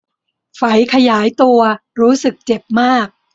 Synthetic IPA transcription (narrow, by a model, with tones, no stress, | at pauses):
fa˩˦jkʰa˧jaː˩˦jt̪u˧ɐɾuː˦˥sɯ˨˩k̚t͡ɕe˨˩p̚maː˥˩k̚